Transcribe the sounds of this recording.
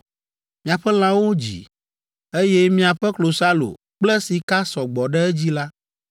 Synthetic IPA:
mĩ˨a˨ɸɛ˦l̃ã˦wo˦d͡ʑḭ˨ | e˦jɛ˦mĩ˦a˨ɸɛ˦klo˨sa˦lo̰˨ | k͡plɛ˦si˨ka˦sɔ˨ɡ͡bɔ˨ɖɛ˦ɛ˦d͡ʑi˦la˦

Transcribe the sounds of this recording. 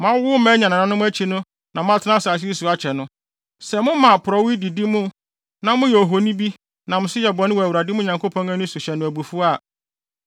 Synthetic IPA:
mã˦wʊ˦mæ̃˦ɲã˨nã˨nã˨˦nʊ̃˦æ˦t͡ɕʰi˦nʊ̃˦ | nã˨mʊ̃˦a˦tʰɪ˦nã˦saː˨s̬su˨a˨˦t͡ɕʰɛ˨nʊ̃˦ | sɛ˨mʊ̃˦mã˨pʰʊ˨ɾɔ˨wi˦di˨di˦mʊ̃˦ | nã˨mʊ̃˦jo˨ɦo˨nĩ˦bi˦ | nã˨mʊ̃˨˦sʊ˦jɛ˨bɔ˨nɪ̃˦wɔ˨wu˨ɾa˨dɪ˦mʊ̃˦˨ɲã˨ŋkʰo˦pʰɔ̃˦æ̃˦nʊ̃˦su˨ɕɛ˨nʊ̃˨æ˨bu˨fu˦a˦˨

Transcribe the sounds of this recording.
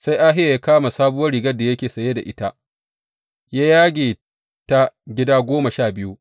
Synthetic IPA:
sa˦jʔaː˦ɦɪ˦ja˨ja˦kaː˦ma˨saː˦bʊ˦wɐ˦rɾi˨ɡɐ˦rda˨jɐ˦kʲeː˨sɐ˨je˦da˨ʔɪ˦ta˦ʔ | jaː˦jaː˦ɡʲeː˨ | ta˦ɡʲɪ˦daː˦ɡʷoː˦ma˨ʃaː˦˨bɪ˦ju˦ʔ

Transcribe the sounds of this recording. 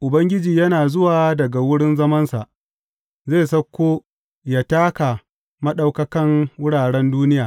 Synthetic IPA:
ʔʊ˨bɐ˦ŋɡʲɪ˦d͡ʒiː˨jɐ˦naː˨zʊ˦waː˨dɐ˨ɡa˨wʊ˦ɽɪ˦nzɐ˦mɐ˦nsa̰˨ʔ | zeː˦˨sɐ˦kʷːoː˦ | jaː˦taː˦ka˨ | mɐ˦ɗa˦wkɐ˦kɐ˦ŋwʊ˦ɽaː˨ɽɛ˦nduː˦nɪ˦jaː˨

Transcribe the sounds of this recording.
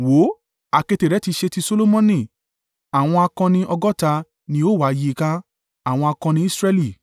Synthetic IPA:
wo˨˦ | a˨ke˧te˨ɾɛ˨˦ti˧ʃe˧ti˧so˧lo˦mɔ̃˦nĩ˦˨ | a˨w̃ɔ̃˧a˧kɔ̃˧nĩ˧ʔɔ˧ɡɔ˦ta˧ | nĩ˧o˦˨wa˨˦˧ji˧kã˧˦ | a˨w̃ɔ̃˧a˧kɔ̃˧nĩ˧˦i˦sɾɛ˦li˦˨

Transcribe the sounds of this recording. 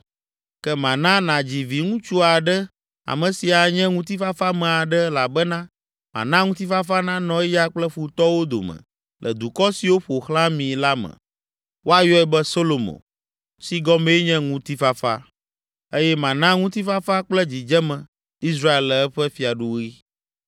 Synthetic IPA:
kɛ˦mã˨nã˦nã˨d͡ʑi˨vi˨ŋũ˦t͡ʃu˦a˨ɖɛ˦ | a̰˨mɛ̃˨si˨a˨ɲɛ̃˦ŋũ˦t̪̬i˦fa˦fa˦mɛ̃˨a˨ɖɛ˦la˨bɛ˦nã˦ | mã̰˨nã˦ŋũ˦t̪i˦fa˦fa˦nã˦nɔ̃˨˦ja˦k͡plɛ˦ɸu˨t̪ɔ˦wo˦d̪o̰˨mɛ̰̃˨ | lʔɛ̰˨d̪u˨kɔ˦si˨wo˦ɸo˨xlã˦mĩ˨la˦mɛ̰̃˨ | wʔo˦a˨jɔ˦ɛ˦bɛ˦so˦lo˨mõ̰˨ | si˦ɡɔ˦me˦ɲɛ̃˦ŋũ˦t̪i˦fa˦fa̰˦ | e˦jɛ˦mã˨nã˦ŋũ˦t̪i˦fa˦fa˦k͡plɛ˦d͡ʑi˨d͡ʒɛ˦mɛ̃˨ | i˦s̬ɾa˦e˨lɛ˨ɛ˦ɸɛ˦fi˨a˨ɖu˦i˦

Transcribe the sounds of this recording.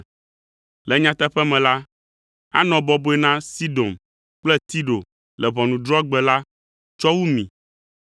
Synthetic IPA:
lɛ˨ɲã˦t̪ɛ˦ɸɛ˦mɛ̃˨la˦ | a̰˦nɔ̃˨bɔ˦bo˦ɛ˦nã˦si˦d̪o˨m | k͡plɛ˦t̪i˦ɖo˨ | lɛ˨βɔ˨nũ˨d̪ɾɔ˦ɡ͡bɛ˨la˦ | t͡ʃɔ˦wu˦mḭ̃˨

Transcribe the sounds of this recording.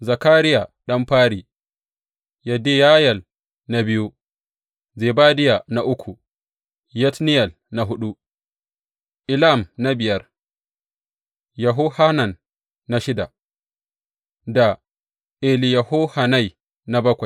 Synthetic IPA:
zɐ˨kaː˦ɾɪ˦ja˨ɗɐ˦mɸaː˦ɽi˨ | ja˨de˦ja˦jɐ˨l | na˨bɪ˦ju˦ | ze˨baː˦dɪ˦ja˨na˨ʔʊ˦kʷʰu˨ | jɛ˦tnɪ˦jɐ˨l | na˨ɦʊ˦ɗu˦ | ʔɪ˨la˦˨mna˦bɪ˨jɐ˦r | jɐ˨ɦʊ˦ha˦na˨nː | a˨ʃɪ˦da˨ | da˨ | ʔe˨li˨jɐ˨ho˦ha˨na˦j | na˨bɐ˦kʷa˨

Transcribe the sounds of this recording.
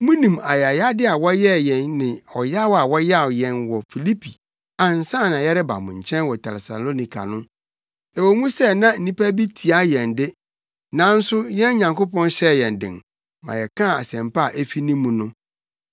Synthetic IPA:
mũ˦nĩ˨ma̰˨jɛ˨a˨ja˦dɪ˦a˨wɔ˦jɛ˦jɛ̃˨nːɪ̃˨ɔ˨ja˦wa˨wɔ˦ja˦˨jɛ̃˨nwɔ˨fi˨li˦pʰi˨ | ã˨n̩˨sã˦˨nã˨jɛ˦ɾɪ˦ba̰˨mʊ̰̃˨ɲ˨t͡ɕʰɛ̃˦nwɔ˨tʰɛ̰˨ɛ˨sa̰˨lo˦nĩ˨kʰa̰˨nʊ̃˦ | ɛ˨wɔ˨mũ˦sɛ˦˨nã˦n̩˨nĩ˦pæ˦bi˦tʰi˨a˦jɛ̃˨ndɪ˦ | nã˨˦n̩˦sʊ˦jɛ̃˦n˦ɲã˨ŋko˦pʰɔ̃˦nɕɛ˦˨jɛ̃˨n˨dɪ̰̃˨n | mã̰˨jɛ˨kʰã˦˨a̰˨sɛ̃˨mpa˦˨ʔe˦fi˦nĩː˦ũ˨nʊ̃˦

